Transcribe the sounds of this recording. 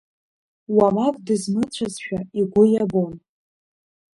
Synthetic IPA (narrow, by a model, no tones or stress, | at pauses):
wamakʼdɨzmɨt͡ɕʷʰazʃᶣaiɡʷʊjabon